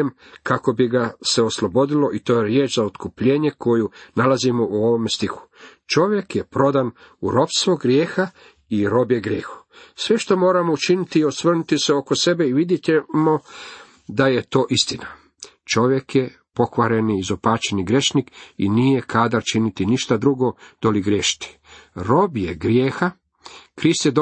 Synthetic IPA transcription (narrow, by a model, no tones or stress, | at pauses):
em | kako̞biɡase̞o̞slˠo̞bo̞d̪ilo̞ʔit̪o̞ːjeɾjeːt͡ʃzaot̪kupʎe̞ːɲe̞kʰo̞junalazimoʔuo̞ʋomest̪ixu̥t͡ʃo̞ʋje̞kje̞pɾo̞d̪an | uɾo̞pst̪ʋoɡɾjeːxa | iɾo̞bjeɡɾjeːxu̥sʋe̞ʃt̪o̞mo̞ːɾamo̞ut͡ʃinit̪iosʋrnut̪iseo̞ko̞se̞be̞iʋid̪jet̪emo | d̪aje̞t̪o̞ːʔist̪ina | t͡ʃo̞ʋje̞kje | po̞kʋaɾe̞niːzopaːt͡ʃeniɡɾe̞ʃnikinije̞kʰad̪aɾt͡ʃinit̪iniʃt̪ad̪ɾuɡo̞d̪̥oliɡɾjeʃi̥t̪i̥ | ɾo̞bjeɡɾjeːxa | kɾist̪jed̪o